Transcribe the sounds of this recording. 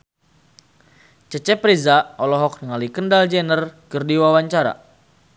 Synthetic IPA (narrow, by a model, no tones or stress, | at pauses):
t͡ʃət͡ʃɛpɾizaɔlɔɦɔk̚nəŋalikəndald͡ʒɛnərkərdiwawaɲt͡ʃaɾa̰